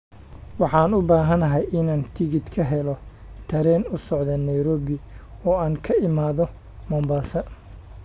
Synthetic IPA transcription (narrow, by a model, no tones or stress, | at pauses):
wɑħɑːnʊbaːɦɐnɐɦɛjɪnaːnt̪ʰɪɣɪd̪kʰɐɦɛlɔ | t̪ʰɐɾɛːnʊsɔʕðɐnɐjɾɔːβɪɔːaːŋkʰɐɪmaːðɔ | mɔːmbaːsɐ